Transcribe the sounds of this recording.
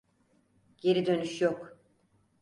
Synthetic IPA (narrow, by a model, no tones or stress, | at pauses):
ɟe̞ɾid̪ø̞nyʃjok